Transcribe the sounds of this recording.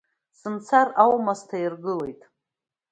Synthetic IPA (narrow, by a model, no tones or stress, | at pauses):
sɨnt͡sʰarawmastʰajirɡɨle̞jtʼ